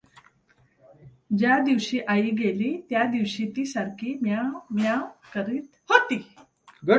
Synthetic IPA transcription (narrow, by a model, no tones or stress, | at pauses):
d͡ʑjad̪iʋɕiːʔaiːɡeliːt̪jad̪iʋɕiːt̪iːsaɾkʰiːmamjakəɾiːt̪hot̪iː | ɡə